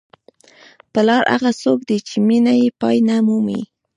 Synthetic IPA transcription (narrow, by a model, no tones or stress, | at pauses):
pəlɑɾa̰ɣasok̚d̪et͡ʃeminajepɑjnamumḭ